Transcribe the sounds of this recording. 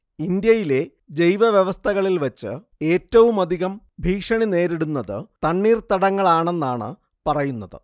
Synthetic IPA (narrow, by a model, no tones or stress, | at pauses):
ind̪jɐjile̞ | d͡ʑejʋɐʋjeʋɐst̪ʰɐɣɐɭilʋɐt͡ɕːɨ̰ | e̞ːtːɐʋumɐd̪ʱiɣɐm | bʱiːkʂɐɳine̞ːɾiɽunːɐðɨ̰t̪ɐɳːiːrt̪ɐɽɐŋːɐɭaːɳe̞nːaːɳɨ̰ | pɐrɐjunːɐðɨ̰